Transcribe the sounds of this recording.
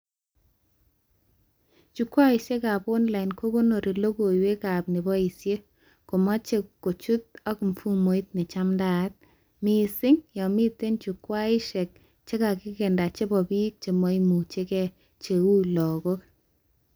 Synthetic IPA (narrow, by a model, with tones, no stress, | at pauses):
t͡ʃu˨kwa˦ɪ˨ʃe˦ka˨pʊ˦nla˨ɪ˨nko˦ɡo˦no˨ɾi˨lo˦ɡo˨we˦ka˨bnɪ˨bɔ˦i˨sje˦ | ko˨mɔ˦t͡ʃe˦kːo˨t͡ʃu˦t̪̚ɔ˦km˨fu˦mo˨˦i˦t̪̚nɪ˨t͡ʃa˦mda˦˨˦t̪̚ | mɪ˨sɪ˦ŋjɔ˨mɪ˦t̪e˦nt͡ʃu˨kwa˦ɪ˦ʃɛ˨k̚ | t͡ʃe˦ka˨kɪ˦kɛ˨nda˨t͡ʃe˦bɔ˨bi˦k̚t͡ʃe˨mɔ˦i˦mu˨t͡ʃe˦kɛ˦ | t͡ʃe˨wu˦lɔ˨ɡo˦